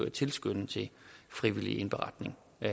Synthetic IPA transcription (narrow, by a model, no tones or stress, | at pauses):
t͡sʰe̝lsɡ̥øn̩t͡sʰe̝fʁiʋilḭenb̥eʁɑ̈d̥ne̝ŋ